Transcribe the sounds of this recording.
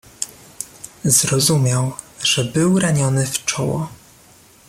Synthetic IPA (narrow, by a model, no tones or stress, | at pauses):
zɾɔzumʲjawʐ̥ɛbɘwɾaɲɔnɘft͡ʂɔwɔ